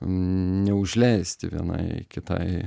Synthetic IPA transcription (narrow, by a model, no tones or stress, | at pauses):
nʲɛʊʒʲlʲɛɪsʲt̪ʲɪʋʲḭɛnɐ̰ɪkʲɪt̪ɐ̰ɪ